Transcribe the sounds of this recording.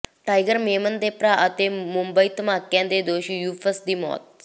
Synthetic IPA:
ʈajɡəɾmemənd̪epɾaʔət̪emumbəjt̪makːjãnd̪ed̪oɕijufəsd̪imɔ̰t̪̚

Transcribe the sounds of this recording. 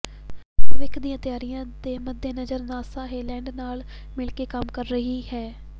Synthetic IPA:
ʋɪkʰd̪iːãːt̪ɪjaːɾijãːd̪eːməd̪ːeːnəzəɾnaːsaːɦeːlɛ̃ːɳɖnaːl | mɪlkeːkəmkəɾːəɦiːhɛː

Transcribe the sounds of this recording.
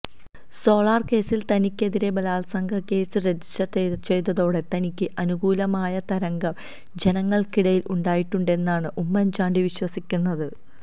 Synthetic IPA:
so̞ːɭaːrke̞ːsilt̪ɐnikʲːe̞ðiɾe̞bɐlaːlsɐŋɡʰʱɐke̞ːsɨɾed͡ʑisɐrt͡ɕet͡ɕe̞jt̪ɐðo̞ːɽe̞t̪ɐnikʲːɨʔɐnuɡuːlɐmaːjɐt̪ɐɾɐŋɡɐm | d͡ʑe̞nɐŋːɐɭkiɽɐjilʔuɳɖaːjiʈːuɳɖe̞nːaːɳɨʔumːɐnt͡ɕaːɳɖiʋiɕwɐsikʲːunːɐðɨ

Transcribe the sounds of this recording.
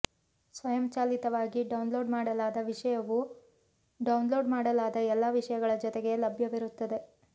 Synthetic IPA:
sʋɐjɐmt͡ʃaːlit̪ɐʋaːɡiɖɐwnlo̞ːɖmaːɽɐlaːd̪ɐʋiʂɐjɐʋu | ɖɐwnlo̞ːɖmaːɽɐlaːd̪ɐɛlːaːʋiʂɐjɐɡɐɭɐd͡ʒɔt̪eɡe̞lɐbʱjɐʋiɾut̪ːɐd̪e̞

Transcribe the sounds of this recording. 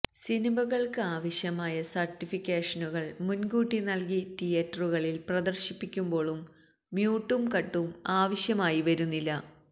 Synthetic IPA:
sinimɐɣɐɭkɨaːʋɐɕjɐmaːjɐsɐrʈːifikʲːeːʂɐnuɣɐɭmunɡuːʈːinɐlkit̪ijɐtːɐruɣɐɭilprɐd̪ɐrɕipːikʲːumbo̞ːɭumː | juːʈːumkɐʈːumaːʋɐɕjɐmaːjiʋɐɾunːilːɐ

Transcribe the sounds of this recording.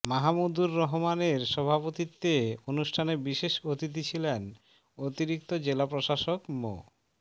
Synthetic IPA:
maɦamud̪uɾːɔɦomaneɾʃɔbʱapot̪it̪ːeonuʃʈʰanebiʃeʃot̪it̪̬it͡ɕʰilen | ot̪iɾik̚t̪od͡ʑelapɾoʃaʃokmo̰

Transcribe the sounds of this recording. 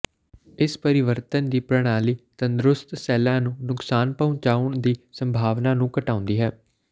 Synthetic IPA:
ɪspəɾɪʋəɾt̪ənd̪iːpɾəɽ̃aːliːt̪ənd̪ɾʊst̪sɛːlãːnũːnʊksaːnpəʊ̃t͡ʃaːʊɳd̪iːsəmbʱaːʋnaːnũːkəʈaːʊ̃nd̪iːɦɛː

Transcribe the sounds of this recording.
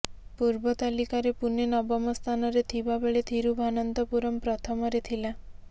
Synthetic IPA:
puɾbɔt̪alikaɾepunenɔbɔmɔst̪ʰanɔɾet̪ʰibabeɭet̪ʰiɾubʱanɔnt̪ɔpuɾɔmpɾɔt̪ʰɔmɔɾet̪ʰila

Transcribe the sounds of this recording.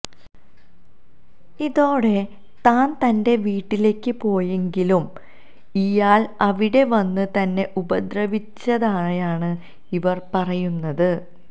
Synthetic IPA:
iðo̞ːɽe̞ | t̪aːnt̪ɐnde̞ʋiːʈːile̞ːkːɨpo̞ːjeŋɡilum | ijaːlɐʋiɽe̞ʋɐnːɨt̪ɐnːe̞ʔubɐd̪ɾɐʋit͡ɕːɐðaːɳjaːɳɨ | iʋɐrpɐrɐjunːɐðɨ

